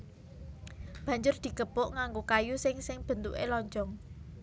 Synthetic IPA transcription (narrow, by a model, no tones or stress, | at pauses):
b̥ä̤ɲd͡ʒʊrd̪̥i̤ɡ̥əb̥ʊʔŋaŋɡokajusɪŋsɪŋb̥ə̤nt̪ṵʔelɔɲt͡ʃɔŋ